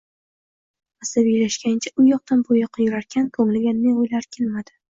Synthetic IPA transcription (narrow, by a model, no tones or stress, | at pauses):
asabijlaʃkʲant͡ʃʰaʊjɒq̚t̪anpʰojɨqʰɑjʊɾaɾkʲʰankʰɵŋɪlɡʲanːeojlaɾkʲʰelmad̪ɪ